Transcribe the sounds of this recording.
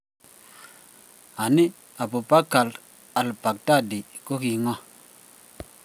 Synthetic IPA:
a˨ni˦ | a˨pu˨pa˦ka˨l | a˨lpa˨k̚ta˦˨di˨ | ko˦ki˧ŋɔ˦

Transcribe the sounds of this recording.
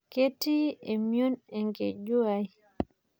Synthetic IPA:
ke˦ti˦ɛ˨mjo˦nɛ˨ŋɡe˨d͡ʒu˦a˨j

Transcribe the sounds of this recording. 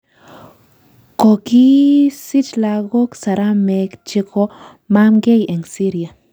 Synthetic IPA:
ko˨ki˦si˦t͡ʃla˧ɡo˦ksa˨ɾa˦me˧kt͡ʃi˧ko˦ | ma˦mɡe˦je˨ŋsi˦ɾja˨

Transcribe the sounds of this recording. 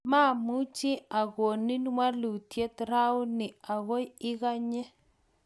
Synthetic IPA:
ma˦˨mu˦t͡ʃɪ˦a˨ɣwo˨ni˦nwa˦lu˨tje˦t̪ɾa˦wnɪ˨a˨ɣo˦jɪ˦ɣa˦ɲe˦

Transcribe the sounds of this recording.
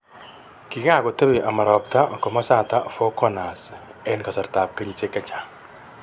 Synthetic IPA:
ki˨ka˦˨kɔ˨te˦bɪ˨ʔa˨ma˨ɾɔ˨p̚ta˦kɔ˨ma˦sa˦˨ta˦fɔ˦kɔ˦na˨sɛ˦nka˨sɐ˨ɾta˨p̚kɐ˦ɲi˨t͡ʃe˦kːɐ˦t͡ʃa˨

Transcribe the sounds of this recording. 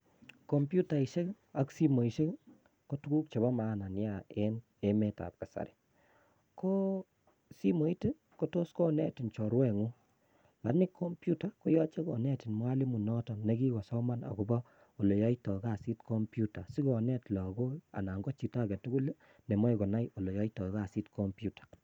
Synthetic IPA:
kɔ˨mpju˦ta˨i˨ʃe˦k | a˦ksi˦mo˨i˨ʃe˦ | ko˦tu˦ɡu˦k̚t͡ʃe˨βa˦ma˨na˨nja˨ɛ˦n | e˦mɛ˦ta̰˨p̚ka˨sa̰˨ɾɪ̥˨ | ko˦ | si˦mo˨˦i˦te˦ | ko˦to˦skɔ˦nɛ̰˦ti˨nt͡ʃɔ˨ɾwɛ˦˨ŋu˦ | la˨nɪ˦kʰːo˦mpju˦ta˨ko˦jɔ˦t͡ʃe˦kɔ̰˨nɛ˦ti˨nma˦li˦mu˨nɔ˦tɔ˨ne˦ɡi˦ɡɔ˨sɔ˦ma˦na̰˨kɔ˨bɔ˦ | o˨lo˨jɔ˦itɔ˨ka˨si˦tko˦mpju˦ta˨si˦ɡɔ˨nɛ˦tla˨ɡo˦a̰˨na˨ŋɡɔ˦t͡ʃi˨ta˦˨ɡɛ˨tu˦ɡu˦le˦ | ne˨mɔ˦jɡɔ˨na˦jo˨lo˨jɔ˦itɔ˨˦ɣa˦˨si˦tkʰo˦mpju˦tḁ˨

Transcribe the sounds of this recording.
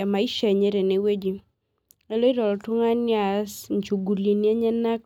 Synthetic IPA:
a˨ma˨i˦ʃe˨ɲe˦ɾe˨ne˨we˦d͡ʒi˨˦ | e˦lo˦i˦dɔ˨lɔ˨tʊ˦ŋa˦n˦a˨sɲt͡ʃu˨ɡu˨li˨ni˦a˦ɲɛ˦na˦k

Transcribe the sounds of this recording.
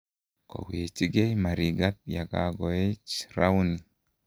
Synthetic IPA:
kɔ̰˨we˨t͡ʃi˦ɡe˦jma˨ɾi˨ɡa˦t̚ja˨ɡa̰˨ɡɔ˨e˦t͡ʃɾa˦u˦ni˨

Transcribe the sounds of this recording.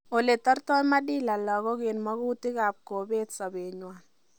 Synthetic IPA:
o˨le˨tɔ˦rtɔ˦ma˦di˦la˨lɔ˨kɔ˦ke˨nmɔ˦ku˦ti˦kaː˨p̚ko˨be˦tsa˨be˨ɲwaː˨n

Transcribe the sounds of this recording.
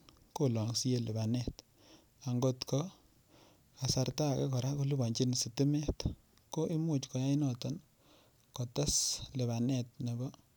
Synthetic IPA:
ko˦lɔ˨ŋsi˦je˨lɪ˨ba˨nɛ˦t | a˨ŋɡo˦tkɔ˦ | ka˨sa˧rta˦˨ka˦kɔ˨ɾa˦ko˦lu˦ba˨ɲt͡ʃi˦nsi˨ti˦mɛ˦t | ko˦ʔi˦mu˦˨t͡ʃkɔ˨ja˦i˦nɔ˨tɔ˨n | kɔ˨ta˦sle˨βa˨nɛ˦˨t̚ne˨bɔ˦

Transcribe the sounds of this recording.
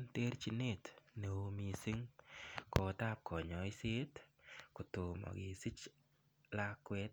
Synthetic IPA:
nt̪e˦ɾt͡ʃi˧ne˦˨t̪ne˨o˦mi˨si˦ŋko˨t̪a˦p̚kʰɔ˨ɲɔ˨ɪ˦se˦tko˨t̪o˨mɔ̰˨ɡɪ˨si˦t͡ʃ | la˦kwɛ˦t̪̚

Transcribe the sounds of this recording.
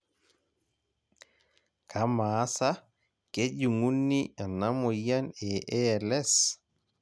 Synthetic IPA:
kʰama˨˦sa | ke˦d͡ʒu˨ŋu˦nːia˨na˦mo˨ja˦nɛ˨ʔɛ˨lɛ˦s

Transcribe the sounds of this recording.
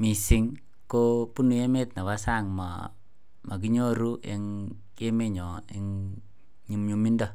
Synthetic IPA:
mi˨si˨ŋ | ko˦pu˦nu˨je˦me˦t̚na˨βa˦sa˦ŋma̰ | mʔa˨k̬i˦ɲo˦ɾu˦e˦ŋ | e˦me˦ɲɔ˨ḛŋ | ɲi˨mɲu˦mi˦ndɔ˦

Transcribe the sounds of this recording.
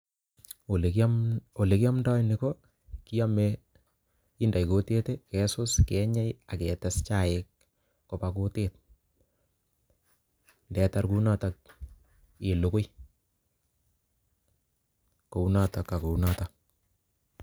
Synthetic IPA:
ole˨ko˨le˨ki˦a˦mda˦jniko | ki˦a˦me | ɪ˦nda˨jko˦te˦tekɛ˦sʊ˦skɛɲɛ˦ja˨kɛ˨tɛst͡ʃa˨ɪkː | o˨pako˦tet̚ | ndɛ˨ta˦ɾku˦natak̚ | ɪ˨lo˨ko˦j | ko˨u˦nataka˨ko˨nata

